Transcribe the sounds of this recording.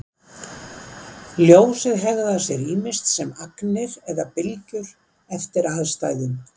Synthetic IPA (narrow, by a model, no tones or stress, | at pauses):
ljoːwsɪðɦɛɣðasjɛɾiːmɪst̪sɛmaknɪɾɛðapɪlcʏɾ̥ | ɛft̪ɪɾaðst̪aːjðʏm